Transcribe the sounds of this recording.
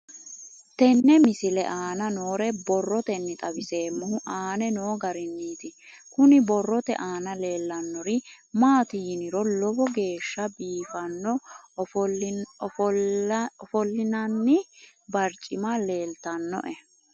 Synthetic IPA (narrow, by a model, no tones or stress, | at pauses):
t̪ɛnːɛmɪsɪlɛ̰ʔaːnɐno̞ːɾɛbɔrːɔt̪ɛnːɪt̪ʼɐbɪse̞ːmːʊhʊʔaːnɛnoːɡɐɾɪnːiːt̪ɪ | kʊnɪbɔrːɔt̪ɛ̰ʔaːnɐle̞ːlːɐnːɔɾɪ | maːt̪ijnɪɾɔlɔbɔɡe̞ːʃːɐbiːfɐnːɔ | ɔfɔlːɪnɐnːɪ | bɐɾt͡ʃʼɪmɐle̞ːlt̪ɐnːɔ̰ʔɛ